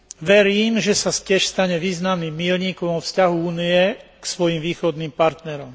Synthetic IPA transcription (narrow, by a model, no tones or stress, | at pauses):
ʋɛɾiːmʒɛsacɪɛʃst̪aɲɛʋiːznamnimːiːlɲiːkɔɔfscaɦuuːniɛksʋɔjimʋiːxɔd̪nimpaɾt̪nɛɾɔm